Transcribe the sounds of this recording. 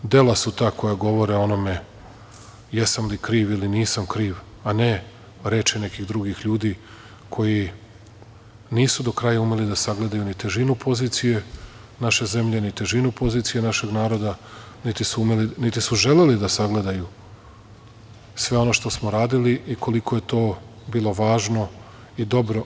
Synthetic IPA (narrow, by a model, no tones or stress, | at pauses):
d̪e̞lasut̪aːko̞jaɡo̞ʋo̞ɾeo̞no̞me̞ | jesamlikɾiːʋiliniːsamkɾiːʋ | ane | ɾe̞ːt͡ʃine̞kiɣd̪ɾuɡixʎuːd̪i | kʰo̞ji | niːsud̪o̞kɾajaume̞lid̪asaɡle̞d̪ajunit̪e̞ʒinupʰo̞ziːt̪sije̞ | naʃe̞ze̞mʎe̞nit̪eʒinupo̞ziːt̪sijenaʃe̞ɡnaːɾo̞d̪a | nit̪isuumelinit̪isuʒele̞lid̪asaɡle̞d̪aju | sʋe̞o̞noʃt̪o̞smoɾaːd̪iliʔikʰo̞likʰo̞je̞t̪o̞ːbiːlˠo̞ʋaːʒno̞ | id̪o̞bɾo̞